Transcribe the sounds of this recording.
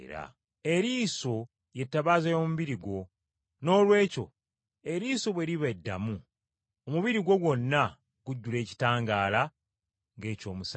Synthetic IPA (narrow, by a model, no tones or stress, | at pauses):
ɾa̰ | e̞ɾiːso̞ | je̞tːaβaːzejo̞muβiɾiɡo̞ | no̞ːlwe̞ːco̞̰ | e̞ɾiːso̞βwe̞ɾiβaedːa̰mu | omuβiɾiɡwo̞ɡwo̞nːa | ɡuɟːule̞ːci̥taːŋɡaːla | ŋɡe̞ːco̞ːmus